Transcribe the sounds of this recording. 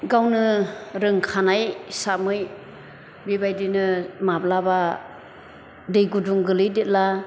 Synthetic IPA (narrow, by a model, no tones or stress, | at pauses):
ɡawnɯɾɯŋkʰanajsamɯj | bibajdinɯmablaba | dɯjɡuduŋɡɯlɯjdet̚la